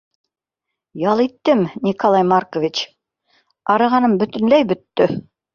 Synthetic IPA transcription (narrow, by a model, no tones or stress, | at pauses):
jɑlˠit̪ːɘmnʲikolˠɑjmarkovʲit͡ɕ | ɑɾɤ̆ʁɑnɤmbɵ̆t̪ɵ̆nlæjbɵ̆t̪ːɵ